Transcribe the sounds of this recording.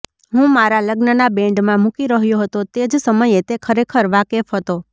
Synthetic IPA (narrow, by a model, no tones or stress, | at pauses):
ɦũmaɾaləɡnənabɛ̃ɳɖmãmũkiɾəɦjoɦət̪ot̪ed͡ʒsəməjet̪ekʰəɾekʰəɾʋakefɦət̪o